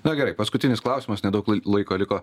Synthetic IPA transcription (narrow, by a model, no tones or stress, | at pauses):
nɐɡʲɛɾɐɪpɐskʊt̪ʲɪnʲɪsklˠɐˑʊsʲɪmɐsnʲɛd̪ɐʊklˠɐɪkoːlʲɪkoː